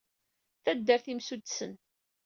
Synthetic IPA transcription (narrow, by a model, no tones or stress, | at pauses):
θæd̪ːəɾθimsud̪sən